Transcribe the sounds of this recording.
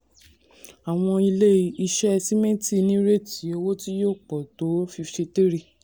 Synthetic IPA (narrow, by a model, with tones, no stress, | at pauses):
a˨w̃ɔ̃˧i˧le˦i˧˦i˧ʃɛ˦˧si˦mẽ˦ti˦˨nĩ˦ɾe˦˨ti˨˦e˧wo˦ti˦jo˦˨k͡pɔ˨to˨˦fi˧ʃe˧te˦ɾi˧˨